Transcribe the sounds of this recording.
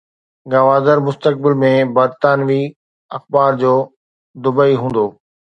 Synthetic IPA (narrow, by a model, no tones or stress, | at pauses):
ɡɐʋaːd̪əɾmʊst̪ək̚bɪlmẽbɐɾt̪aːnʋi | ɐxbaːɾd͡ʑoː | d̪ʊbəiɦũːn̆d̪oː